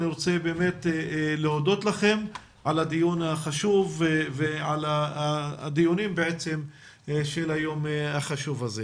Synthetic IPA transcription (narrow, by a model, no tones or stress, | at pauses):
niʁot͡sebe̞ːmetlehodo̞tlaχe̞m | ʕalad̪ijunhaχaʃuvveʕala | d̪ijunimbeʕet͡se̞m | ʃelajo̞mhaχaʃuvaze